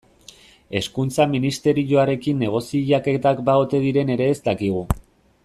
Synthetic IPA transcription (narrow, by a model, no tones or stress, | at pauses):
e̞skunt͡saminist̪e̞ɾiʝo̞aɾe̞kinːe̞ɣ̞o̞siʎaket̪akbaot̪e̞ðiɾe̞ne̞ɾe̞ːzt̪akiɣ̞u